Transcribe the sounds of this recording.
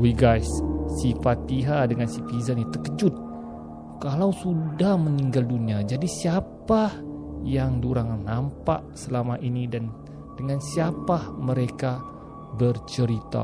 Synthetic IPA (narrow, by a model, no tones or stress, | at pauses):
wiɡajsːifat̪iɦadəŋansipizanit̪əkəd͡ʒʊt̪̚ | kalawsudahməniŋɡalduniad͡ʒadisiapajaŋduɾaŋnampa̰ʔsəlamaʔinidan | dəŋansiapaməɾeka | bərt͡ʃəɾit̪a̰